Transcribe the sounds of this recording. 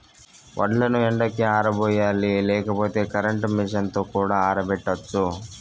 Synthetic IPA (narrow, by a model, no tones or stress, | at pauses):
ʋʔɐ̰ʈlɐnuɛɳɖɐkiaːɾɐboːjaːlilɛːkɐpoːt̪e̞ːkɐɾɐɳʈmiʂɐnt̪oːkuːɽaːaːɾɐbɛʈːɐt͡ʃːu